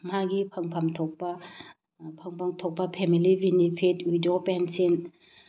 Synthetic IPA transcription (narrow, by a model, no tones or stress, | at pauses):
maɡipʰɐŋpʰɐmt̪ʰok̚pɐ | pʰɐŋpʰaŋt̪ʰok̚pɐpʰɛmilibʱinipʰedujdopɛnsen